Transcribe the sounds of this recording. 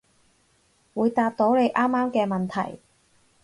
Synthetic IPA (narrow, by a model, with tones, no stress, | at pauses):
wuː˨˧jt̪aː˧t̚t̪o˨˥wle˨˧jʔaː˥mːaː˥mkɛː˧mɐ˨nt̪ʰɐ̰˨˩j